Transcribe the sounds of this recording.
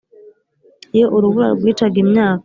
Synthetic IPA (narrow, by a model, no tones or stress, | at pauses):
ijoʔoɾuβuɾa̰ɡwiːtaɡimɲaːkḁ